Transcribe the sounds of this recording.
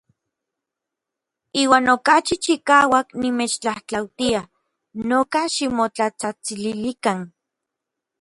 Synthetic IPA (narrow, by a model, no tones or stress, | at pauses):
iːwaːnokat͡ʃit͡ʃikaːwaknimeːt͡ʃt͡ɬaht͡ɬawt̪ia | noːkaʃimot͡ɬat͡sat͡sililikan